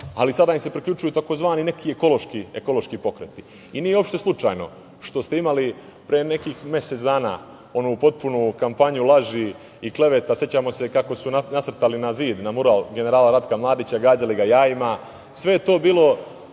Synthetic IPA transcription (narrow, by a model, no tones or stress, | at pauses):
alisad̪aimse̞pɾikʎut͡ʃujut̪ako̞zʋaːnine̞kʰieko̞lo̞ʃkieko̞lo̞ʃkipo̞kɾḛt̪i | iniːjeo̞pʃt̪e̞slˠut͡ʃa̰ːjno̞̰ | ʃt̪o̞st̪e̞imali | pɾijene̞kiːxmje̞set̪sd̪aːna̰ | o̞nupo̞t̪̚punukampaɲulˠaʒi | ikle̞ʋe̞t̪asje̞t͡ɕaːmo̞se̞kako̞sunnat̪r̩t̪alinaziːd̪namuɾalɡe̞ne̞ɾaːlaɾad̪kamlˠaːd̪it͡ɕaɡaːd͡ʑaliɡajaːima | sʋe̞jet̪o̞ːbiːlˠo̞